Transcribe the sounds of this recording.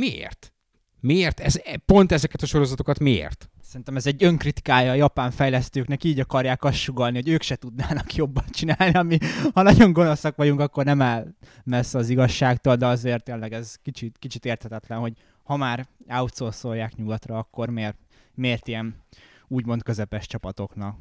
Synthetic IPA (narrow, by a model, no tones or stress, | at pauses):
miḛːrt̪ | mieːrt̪ɛzɛpo̞nt̪ɛzɛkɛt̪ɒʃo̞ɾo̞zɒt̪okɒt̪miḛːrt̪sɛɾint̪ɛmɛzɛɟːø̞ŋkrit̪i̥kaːjɒːjɒpaːɱfɛjlɛst̪øːknɛkiːɟɒkɒrjaːkɒsʃuɡɒlniho̞ɟøːkʃɛt̪ud̪naːnɒkjo̞bːɒnt͡ʃinaːlniɒmihɒnɒɟo̞ŋɡo̞no̞sɒkʋɒɟuŋkɒkːo̞rnɛmɛlmɛsɒziɡɒʃːaːkt̪old̪ɛɒzeːrt̪ːeːnlɛɡɛzkit͡ʃit̪kit͡ʃit̪eːrt̪hɛt̪ɛt̪lɛnho̞ɟ | hɒmaːraut̪solso̞jaːkɲuɡɒt̪rɒɒkːo̞rmeːr | meːrt̪ijɛnuːɟmo̞nt̪kø̞zɛpɛʃt͡ʃɒpɒt̪o̞knɒk